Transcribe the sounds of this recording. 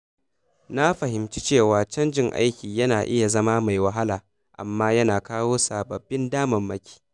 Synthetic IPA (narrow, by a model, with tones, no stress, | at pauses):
na˦ɸɐ˨ɦɪ˨mt͡ʃi˦t͡ʃeː˦˨waː˨t͡ʃɐ˦nd͡ʒɪ˦˨ŋʔa̰˦jkʲiː˨jɐ˦naː˨ʔɪ˦ja˨zɐ˦ma˦ma˨jwɐ˨ɦa˦laː˨ | ʔa̰˨mːaː˦jɐ˦naː˨kaː˦woː˦sa˨bɐ˨bːɪ˦ndaː˦mɐ˨mːɐ˦kʲʰi̥ː˦